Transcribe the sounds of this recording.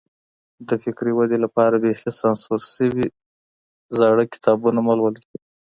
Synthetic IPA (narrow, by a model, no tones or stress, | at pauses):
d̪əfɪkɾiwad̪elapɑɾabehlesɑnsuɾsəwi | zɑɽəkɪ̥t̪ʰɑbunamalwəl